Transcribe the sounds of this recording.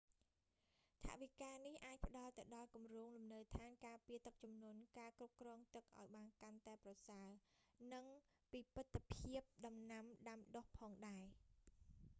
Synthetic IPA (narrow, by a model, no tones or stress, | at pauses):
t̪ʰa̰ʔʋikaːnihʔaːc̚pə̆ɗɑlt̪ɨwɗɑlkumroːŋlumnəwt̪ʰaːnkaːpiət̪ɨk̚t͡ɕumnuənkaːkrup̚krɔːŋt̪ɨk̚ʔa̰ɔjɓaːnkant̪aɛprɑsaənɨŋ | piːpɨt̪ʰːapʰiəp̚ɗɑmnamɗamɗohpʰɑːŋɗaɛ